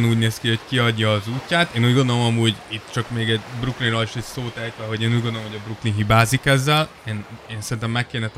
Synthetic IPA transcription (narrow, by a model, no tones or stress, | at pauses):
nuːɟneːskiho̞ckiɒɟːɒːzuːcʲːaːt̪eːnuːɟɡond̪o̞lo̞mɒmuːɟit̪ːt͡ʃɒkmeːɡɛɟbruklinroliʃɛcsoːt̪ɛjt̪ʋɛɦo̞ɟeːnuːɟɡo̞nd̪oomɦoɟɒbruklinɦibaːzikɛzːɛl | eːneːnsɛɾint̪ɛmːɛkːeːnɛt̪